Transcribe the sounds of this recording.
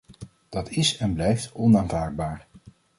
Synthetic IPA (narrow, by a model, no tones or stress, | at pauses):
d̥ɑtʰɪsɛnblɛjftɔnaːnvaːɹd̚baːɹ